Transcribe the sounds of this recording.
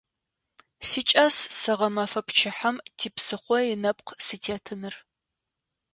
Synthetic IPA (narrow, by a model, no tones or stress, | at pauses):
sit͡ʃʼɐsːɐʁɐmɐfɐpʰt͡ʃʰɪħɐmtʰiːpsɨχʷɔjɪnɐpʼqʰsɨtʰeːtʰɨnɨr